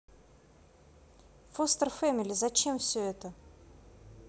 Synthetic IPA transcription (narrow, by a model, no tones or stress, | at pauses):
fost̪ərfɛmʲɪlʲɪzɐt͡ɕemfsʲɵɛt̪ə